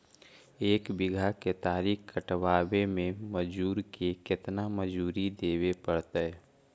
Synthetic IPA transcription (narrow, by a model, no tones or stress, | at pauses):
eːkbɪɡʱaket̪aːɾiːkkəʈʋaːbemẽməd͡ʒuːɾkekɪt̪naməd͡ʒuːɾid̪eːwepəɽt̪ɛ